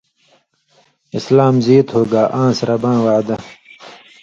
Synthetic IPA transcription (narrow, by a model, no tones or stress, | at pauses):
islaːmziːt̪hoːɡaːʔãːsɾɐbãːwaːd̪ɐ